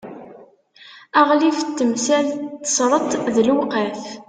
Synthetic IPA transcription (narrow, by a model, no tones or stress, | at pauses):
æʁlift̪ːəmsælt̪ːə̥sˤɾˤət̪ˤðəlwqəf